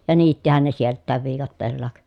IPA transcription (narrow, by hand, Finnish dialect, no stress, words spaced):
jɑ niːtːihæn ne sieltˑæːʋ ʋiːkɑtːeːlːɑːk